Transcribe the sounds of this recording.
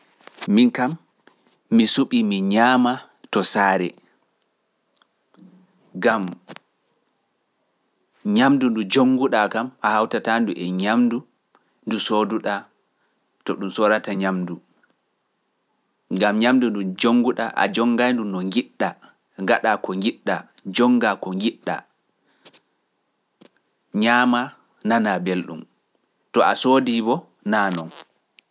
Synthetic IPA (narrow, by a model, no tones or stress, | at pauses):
minkamː | isuɓimiɲaːma | tɔsaːɾɛ̰ | ɡam | ɲamdundud͡ʒoŋɡuɗakamahawtatanduʔɛɲamdu | ndusoduɗa | tɔɗumsɔɾataɲamdu | ɡamɲamdundud͡ʒoŋɡuɗa̰ʔa̰d͡ʒɔŋɡajndunɔŋɡiɗːa | ŋɡaɗakɔŋɡiɗːa | d͡ʒɔŋɡakɔŋɡiɗːa̰ | ɲaːma | nanabelɗṵm | tɔʔasoːdibɔ | nanɔn